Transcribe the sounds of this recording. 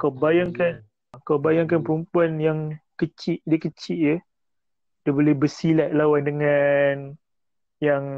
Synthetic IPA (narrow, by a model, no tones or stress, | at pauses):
kawbajaŋkan | akawbajaŋkanpəɾəmpuanjaŋkət͡ʃɪʔ̚diəkət͡ʃɪʔ̚jə | dabolɛhbəsilaʔ̚lawandəŋãn | jaŋ